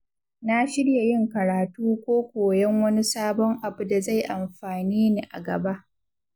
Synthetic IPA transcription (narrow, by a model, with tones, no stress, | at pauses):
na˦ʃɪ˦ɽja˨jɪ˦ŋkɐ˨ɾaː˨tuː˦kʷoː˦kʷoː˨jɛ˦ŋwɐ˦ni˦saː˦bɔ˦ŋʔa˨bu˨da˨za˦˨jʔa˨mɸaː˨niː˦ni˦ʔa̰˨ɡɐ˨ba˦ʔ